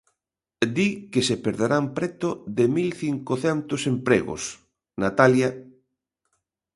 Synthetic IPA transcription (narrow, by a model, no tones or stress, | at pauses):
d̪ikesepeɾðeɾampɾɛt̪ʊðemilθiŋkoθɛnt̪ʊsempɾɛ̰ɣʊ̰s | nat̪aljɐ